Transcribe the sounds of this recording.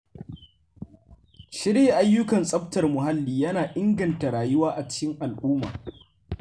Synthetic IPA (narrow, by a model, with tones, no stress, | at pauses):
ʃɪ˦ɾjeː˦˨ʔa˦jːʊ˦kɐ˨nsʼɐ˦ɸtɐ˨rmʊ˨ɦa˦lːiː˨jɐ˦naː˨ʔɪ˦ŋɡɐ˨nta˨ɾaː˨jʊ˦waː˦ʔa˨t͡ʃɪ̥˦kʲɪ˦ŋʔa˨lʔuː˦ma̰ː˨